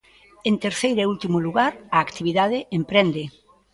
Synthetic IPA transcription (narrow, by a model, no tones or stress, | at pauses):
ent̪eɾθejɾeult̪imʊluɣaɾɐːkt̪iβiðaðɪʔempɾend̪ɪ